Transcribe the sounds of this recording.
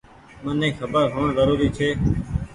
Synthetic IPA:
mənẽːxʰəbəɾɦoːɳzəɾuːɾiːt͡ʃʰeː

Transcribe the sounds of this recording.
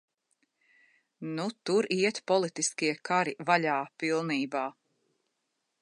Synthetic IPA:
nut̪uɾiɛt̪pɔlˠit̪iskiɛkʰaɾivaʎʲaːpilˠniːbaː

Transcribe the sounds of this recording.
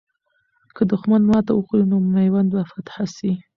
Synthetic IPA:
kəd̪ʊxmanmɑt̪awəxɾinomnajwand̪bafat̪ħasi

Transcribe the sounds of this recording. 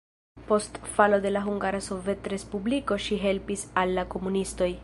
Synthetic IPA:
po̞stfalo̞de̞laɦuŋɡaɾaso̞ve̞tɾe̞spubliko̞ʃiɦe̞lpisalːako̞munisto̞j

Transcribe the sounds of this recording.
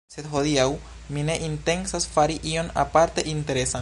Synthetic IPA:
set̪ɦoðiaw | mineʔint̪e̞nsasfaɾiʔio̞na̰paɾt̪e̞ʔint̪e̞ɾesa

